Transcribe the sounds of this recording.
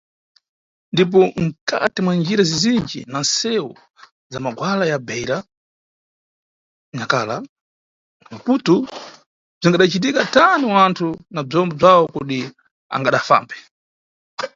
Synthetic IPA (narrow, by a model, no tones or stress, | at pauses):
ndip̬ɔm̩kʰa̰tɛmwand͡ʒiɾazizind͡ʒḭnansɛwɔ | zamaɡwalajabɛjɾa | ɲakala | maputu | b͡ʐiŋɡaɗat͡ʃit̬ikataniwantʰunab͡ʐɔmbɔb͡ʐawɔkuɗi | a̰ŋɡaɗafa̰ːmbɛ